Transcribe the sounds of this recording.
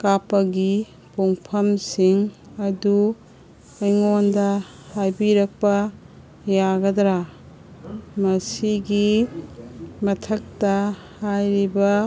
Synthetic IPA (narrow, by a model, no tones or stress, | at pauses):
kapɐɡi | puŋpʰɐmsiŋɐdu | ɐjŋondɐ | hajbiɾɐk̚pɐ | jaɡɐdɾa | mɐsiɡi | mɐtʰɐk̚tɐ | hajɾibɐ